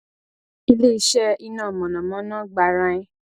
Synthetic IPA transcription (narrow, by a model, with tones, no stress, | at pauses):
i˧le˦i˦ʃɛ˦i˧nãː˦˨mɔ̃˨nã˨mɔ̃˨˦nã˦ɡ͡ba˧ɾã˧ĩ˦